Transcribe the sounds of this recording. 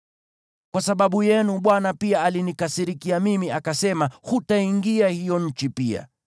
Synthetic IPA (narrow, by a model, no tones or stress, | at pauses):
kwasaɓaɓujɛnuɓwanapiaːlinikasiɾikiamimiakasɛmahutaiŋɡiahijɔɲ̩t͡ʃipia̰